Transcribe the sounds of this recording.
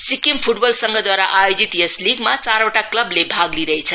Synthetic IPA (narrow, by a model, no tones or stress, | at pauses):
sikempʰuʈbʌlsʌŋɡʌd̪waɾaʔajod͡zit̪jʌsliɡmat͡saɾoʈaklʌblebʱaɡliɾʌɦet͡sʰʌ